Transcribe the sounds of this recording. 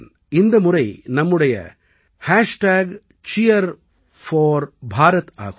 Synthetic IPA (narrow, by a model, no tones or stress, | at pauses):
ɪnd̪ɐmʊɾɐɪnɐmːɯɽɐjɐ̰ | haːʂʈaːɡ | t͡ʃijɐɾ | fɔːɾbʱaːɾɐt̪a̰ːɣ